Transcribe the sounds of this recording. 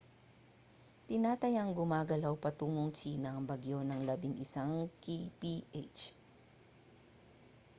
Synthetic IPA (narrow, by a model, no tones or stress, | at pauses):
t̪ɪnaːt̪ɐjaŋɡʊmaːɡɐlawpɐt̪uːŋoŋt͡ʃiːnɐːŋbɐɡjo̞nɐŋlɐbɪŋʔɪsaŋkipiʔet͡ʃ